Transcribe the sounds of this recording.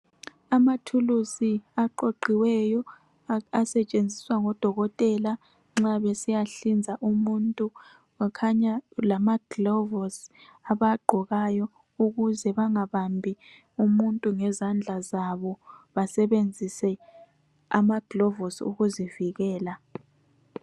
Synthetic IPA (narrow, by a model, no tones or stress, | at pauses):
amatʰulusiaǃoǃiwɛjɔ | asɛt͡ʃʼend͡zʱiswaŋɔd̥ʱɔɣɔtʼɛla | ŋ͡ǁaβɛsijaɬind͡zʱaʔumuntʼu | kʰaɲalamaɡ̥lɔvɔsaβaɡ͡ǃʱɔɣajɔ | uɣuzɛβaŋaβambʱi | umuntʼuŋɛzand͡ɮʱazaβɔβasɛβend͡zʱisɛ | amaɡ̥lɔvɔsṵɣuziviɣɛːla